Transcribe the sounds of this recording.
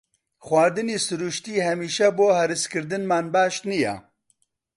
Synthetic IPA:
xwaːɾd̪ɨniːsɨɾuːʃt̪iːhɛmiːʃɛboːhɛɾɨskɨɾd̪ɨnmaːnbaːʃnijɛ̰

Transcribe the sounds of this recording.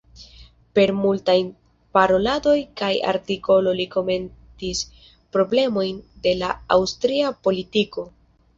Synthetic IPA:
pe̞ɾmultajn | paɾo̞lado̞jkaja̰ɾtiko̞lo̞liko̞me̞ntis | pɾo̞ble̞mo̞jnde̞laawstɾiapo̞litiko̞

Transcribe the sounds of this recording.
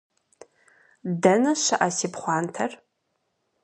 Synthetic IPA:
dɐnɐʃɐʔɐsiːpχʷɑːntʰɐr

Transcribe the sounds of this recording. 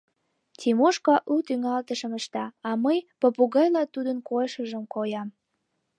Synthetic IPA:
tʲimoʃkɑʔut̪yŋɑlt̪əʃəməʃt̪ɑːməjpopuɣɑjlɑt̪ud̪ənkojʃəʒəmkojɑm

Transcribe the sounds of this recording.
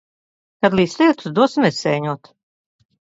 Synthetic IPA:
kad̪lʲˠiːslʲiɛt̪u̥sd̪uɔsimɛsɛjɲuɔt̪

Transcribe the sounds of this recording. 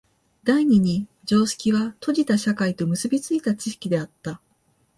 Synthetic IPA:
d̪aiɲ̟iɲ̟i | d͡ʑo̞ːɕi̥kʲiβat̪ʰo̞ʑit̪aɕakait̪o̞mɯ̟sɨbʲit͡sɨit̪at͡ɕiɕi̥kʲid̪e̞at̪ːa

